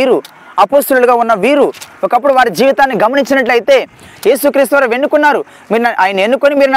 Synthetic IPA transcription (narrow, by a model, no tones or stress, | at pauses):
iːɾu | ɐpoːst̪ɐluluɡaːunːɐʋiːɾuɔkɐp̬ːuɽuʋaːɾid͡ʒiːʋit̪aːnːiɡɐmɐniɲt͡ʃinɐʈ̬ːɐjit̪e̞ː | je̞ːsukɾiːst̪uʋɐːɾɐʋe̞nːukunːaːɾu | miːɾnʔaːjɐne̞nːukonimiːɾn